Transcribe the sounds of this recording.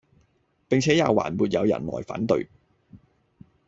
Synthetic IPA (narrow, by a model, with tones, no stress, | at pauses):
pe˨ŋt͡sʰɛː˨˥jaː˨˧wa̰ː˨˩nmuː˨˧t̚jɐ˨˧wjɐ̰˨˩nlɔ̰ː˨˩jfa̰ː˨˥nt̪ɵ̰˧ɥ